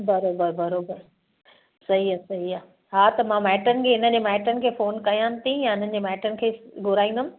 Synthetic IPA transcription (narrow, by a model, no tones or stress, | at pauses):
bɐɾoːbəɾbɐɾoːbəɾ | sɐɦiaːsɐɦiaː | ɦaːt̪ɐmãmɛːʈənɪ̆kʰeːɪnəd͡ʑeːmɛːʈənɪ̆kʰeːfoːnkɐijãːnt̪ʰĩjãɪn̤ənɪ̆d͡ʑeːmɛːʈənɪ̆kʰeːɡʊɾaːĩːnd̪əm̃